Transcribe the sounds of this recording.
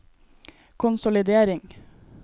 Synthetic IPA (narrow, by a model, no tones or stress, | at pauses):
kʰʊnsʊlɪd̪eːɾɪŋ